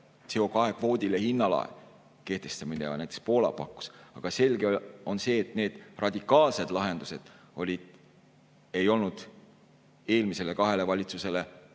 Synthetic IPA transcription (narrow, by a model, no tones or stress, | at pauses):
t̪se̞o̞kɑɦe̞kvo̞ːd̪̥ʲilehinːɑlɑ̰ḛ | ke̞ht̪e̞st̪ɑmineɑ̰næjt̪e̥kspo̞ːlɑ̰pɑkˑːu̥sɑɡ̥ɑse̞lɡe̞o̞nse̞ːt̪ne̞ːd̪̥rɑd̪̥ʲikːˑɑːlse̞d̪lɑɦe̞nd̪use̞d̪̥ | o̞lʲid̪̥ | e̞jo̞lnud̪̥ | e̞ːlmise̞lekɑɦe̞le̞vɑlʲit̪suse̞le